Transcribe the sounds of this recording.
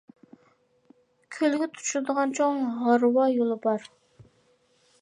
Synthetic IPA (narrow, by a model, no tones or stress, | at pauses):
kʲʰølɡʲɪt̪ʰu̥t͡ʃulˠd̪əʁɑnt͡ʃʰoŋʁɑɾwɑjolˠəbɑɾ